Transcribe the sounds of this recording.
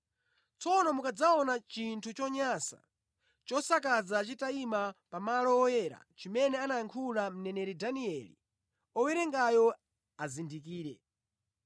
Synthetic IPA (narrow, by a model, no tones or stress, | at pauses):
t͡sɔnɔmukad͡zaɔnat͡ʃintʰut͡ʃɔɲasa̰ | t͡ʃɔsakazat͡ʃitaimapamalɔwɔjɛɾa̰t͡ʃimɛnɛanaŋkʰulam̩nɛnɛɾidaniɛlḭ | ɔwɛɾɛŋɡajɔ | azindik̬iːɾɛ